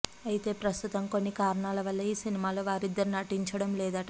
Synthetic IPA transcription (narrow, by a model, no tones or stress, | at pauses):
ɐjit̪e̞ːpɾɐst̪ut̪ɐmko̞nːikaːɾɐɳaːlɐʋɐlːɐiːsinimaːlo̞ːʋaːɾid̪ːɐɾunɐʈiɲt͡ʃɐɽɐmlɛːd̪ɐʈɐ